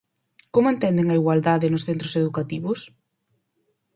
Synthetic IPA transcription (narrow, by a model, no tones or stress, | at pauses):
komʊent̪ɛnd̪eŋɐiɣwald̪aðɪnʊsθent̪ɾoseðukat̪iβʊs